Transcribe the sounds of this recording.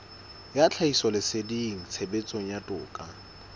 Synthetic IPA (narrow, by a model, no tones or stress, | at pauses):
jat͡ɬʰaisɔlɪsediŋ̩t͡sʰebet͡sʼoŋ̩jatʼʊːkʼa